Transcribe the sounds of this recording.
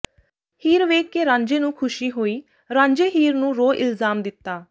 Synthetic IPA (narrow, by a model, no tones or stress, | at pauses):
hiːɾʋeːkːeːɾãːɲd͡ʒeːnũːkʰʊʃiːɦoːiː | ɾãːɲd͡ʒeːɦiːɾnũːɾoːʔɪ̰lzaːmd̪ɪt̪ːaː